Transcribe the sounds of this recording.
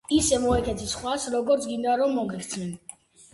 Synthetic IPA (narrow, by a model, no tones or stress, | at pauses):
isɛmɔɛkʰɛt̪ʰisχwasɾɔɡɔɾt̪sʰɡind̪aɾɔmːɔɡɛkʰɾt̪sʰnɛn